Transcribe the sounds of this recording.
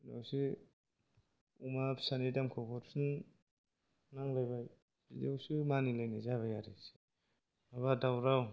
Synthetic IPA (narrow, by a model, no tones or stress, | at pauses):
ida̰wsi | umasanidamkʰɔkʰɔɾsɯn | naŋlajbaj | idawsimanilajnazaβajaɾisi̥ | aβadawɾaw